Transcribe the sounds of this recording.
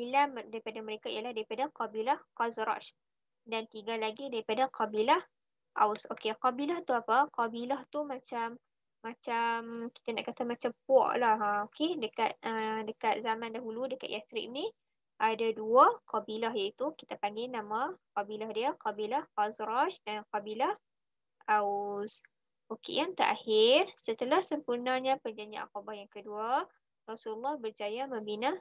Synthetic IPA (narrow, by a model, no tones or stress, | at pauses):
bilamdaɾipadaməɾekaḭjəlahdaɾipadaqabilahqazɾa̰ʃ | dant̪iɡalaɡidaɾipadaqɑbilah | ʔa̰wsokeqɑbilaht̪uapaqɑbilaht̪umat͡ʃamː | at͡ʃamki̥t̪ana̰ʔkat̪amat͡ʃampɔ̰ʔlahokedəkat̪̚ədəkat̪̚zamãndaɦuludəkat̪̚jasɾḭʔ̚ni | ʔadaduaqɑbilaɦjait̪ukit̪apaŋɡɪnamaqɑbilahdiaqɑbilahxazɾaʃdanqabilah | ʔaus | okḛjaŋt̪əɾʔa̰hɪrsət̪əlahsəmpurnaɲapərd͡ʒaɲd͡ʒiʔa̰nkobajaŋkədua | rɑsululːɑhbərd͡ʒajamə̃mbina